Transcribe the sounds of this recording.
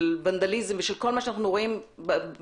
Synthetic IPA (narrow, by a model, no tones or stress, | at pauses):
lvand̪alizemveʃelko̞lmaʃeanaχnuʁoimb